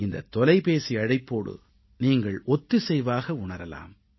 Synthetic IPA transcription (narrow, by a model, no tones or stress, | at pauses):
ɪnd̪ɐ̰t̪ːɔlɐɪpeːsiɐɽɐɪpːoːɽɯ̰ | niːŋɡɐɭɔt̪ːɯsɛjʋaːɣɐʊɳɐɾɐla̰ːm